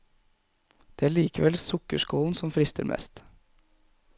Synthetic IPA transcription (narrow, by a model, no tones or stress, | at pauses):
d̪̥eːæːɭiːkəʋɛlsʊkəʃkoːln̩sɔmfɾɪst̪ʰə̰ɾmʔɛ̰st̪